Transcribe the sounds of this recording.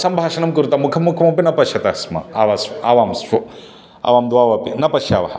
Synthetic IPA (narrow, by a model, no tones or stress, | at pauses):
sɐmbʱaːʃɐnɐmkuɾt̪ɐmukʰɐmːukʰɐmɐp̬inɐpɐʃɐt̪ɐsmɐ̰aʋasaʋaːmso | a̰ʋaːmd̪uaːʋɐpinɐpɐʃjaːʋɐɦɐ